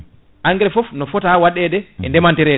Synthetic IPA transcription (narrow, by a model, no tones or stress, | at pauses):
ʔaŋɡɛɾɛfɔfnɔfɔtawaɗɛɗɛɛ̰ndɛmantiɾɛ